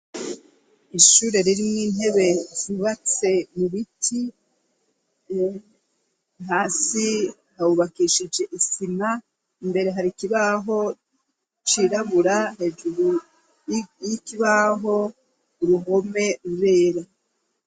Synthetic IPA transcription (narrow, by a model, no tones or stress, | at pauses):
iʃuːɾe̞ɾiɾimŋwiːnɦe̞βe̞z̥iβat͡se̞muβitʰi | ɦaːsi | hauβakiʃid͡ʒe̞ʔisima | imbe̞ɾe̞ɦaɾikiβaɦo̞ | t͡ʃiɾaβuɾaɦe̞ːʒuɾu | ikiβaɦo̞ː | ɾuɦo̞me̞ɾuβe̞ːɾa